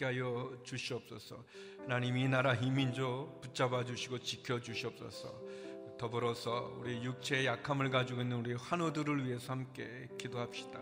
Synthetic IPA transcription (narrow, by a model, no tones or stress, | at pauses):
k͈eɦajʌt͡ɕuɕʰiʌp̚s͈ʌsʰʌ | hanaɲiminaɾaɦimind͡ʑoput͡ɕ͈abad͡ʑuɕʰiɡot͡ɕikʰjʌd͡ʑuɕʰiʌp̚s͈ʌ̰sʰʌ̰tʌbɯɾʌsʰʌuɾiejuk̚t͡ɕʰeejakʰamɯɭkad͡ʑuɡoinːɯnuɾieɸwanodɯɾɯɭɥiɦe̞sʰʌhamk͈e̞ | kidoɦap̚ɕ͈i̥da